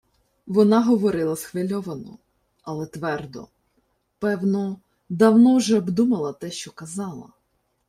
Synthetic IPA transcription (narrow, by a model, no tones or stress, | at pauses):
ʋɔnɑɦɔʋɔɾɪlˠɐsxʋɪlʲɔʋɐnɔ̰ | ɐlˠɛt̪ʋɛrd̪ɔ̰ | pɛwnɔ | d̪ɐwnɔwʒɛɔbd̪umɐlˠɐt̪ɛʃt͡ʃɔkɐzɑlˠɐ̰